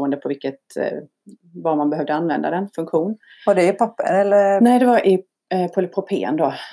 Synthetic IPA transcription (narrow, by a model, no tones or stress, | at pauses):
ənd̪əpʰɔvɪlkːət̪ | vaɾmanbɛɦœvd̪əanvɛnd̪a̰d̪ɛnfɵŋkɧuːn | vaɖɛɛpʰapːə̰ɛlːənɛɪd̪ɛvaɾʔɪ | pʰɔpʰɔpʰḛːə̰nd̪o